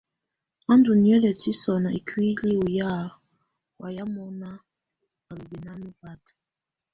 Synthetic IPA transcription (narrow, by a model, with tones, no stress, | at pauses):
a˦ndu˨ni˨ɛ˦lɛ˨ti˦sɔ˨na˨i˨kʰi˦li˦u˨ja˦˨ | wʔa˨ja˦mɔ˦na˦ | a˨lu˨bi˨na˦mi˦va˦tḁ˨